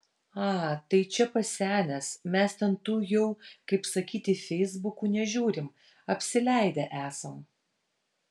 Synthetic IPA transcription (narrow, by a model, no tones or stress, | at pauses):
ɑːt̪ɐɪt͡ʃʲɛpɐsʲæːnʲɛsmʲɛst̪ʲɛnt̪uːjɛʊkɐɪpsɐkʲiːt̪ʲɪfʲɛɪzbʊkuːnʲɛʒʲuːɾʲɪm | ɐpʲsʲɪlʲæˑɪd̪ʲɛʔæːsɐm